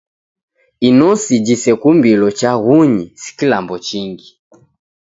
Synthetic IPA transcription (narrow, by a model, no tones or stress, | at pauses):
inɔsid͡ʒisɛkumbilɔt͡ʃaɣuɲisi̥kilambɔt͡ʃiŋɡi